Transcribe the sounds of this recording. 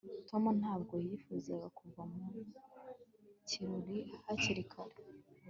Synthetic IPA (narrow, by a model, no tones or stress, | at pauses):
to̞mun̥haːb̚ɡo̞jifuzeβakuvamu | ciɾuɾihaciɾikʰaɾe